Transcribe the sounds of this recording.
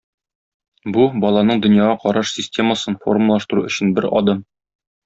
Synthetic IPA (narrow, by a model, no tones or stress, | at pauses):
bubɒlˠɑnɤɴd̪ɵ̆njɑʁɑqɒɾɑʃsʲɪsʲtʲe̞məsɤnfo̞̰ɾumlˠɑʃt̪ɤ̆ɾuɵ̆ɕɘnbɘɾɒ̰d̪ɤm